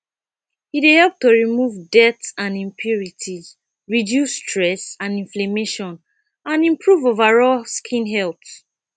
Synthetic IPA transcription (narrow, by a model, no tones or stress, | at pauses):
hidehɛlp̚toɹimuvdɛtãnĩmpʰjuɹitʰiz | ɹidjusːtʰɹɛsãnĩnflemeʃɔ̃n | ãnĩmpɹuvovaɹɔlskʰĩnɦɛlt